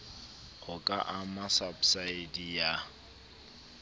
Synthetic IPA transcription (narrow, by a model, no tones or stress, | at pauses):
χʊkʼa̰ʔamasabsaɪdija